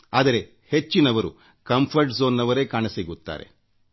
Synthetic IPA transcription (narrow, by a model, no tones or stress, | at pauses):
aːd̪ɐɾe̞ | he̞t͡ʃːinɐʋɐɾu | kɐmpʰɐɾʈzoːnːɐʋɐɾe̞ːkaːɳɐsiːɡut̪ːa̰ːɾe̞̰